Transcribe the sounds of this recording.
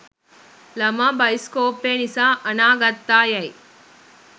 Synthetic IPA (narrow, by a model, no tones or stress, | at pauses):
lɐmɐbɐjskoːpeːnisaɐnaːɡɐt̪ːaːjɐj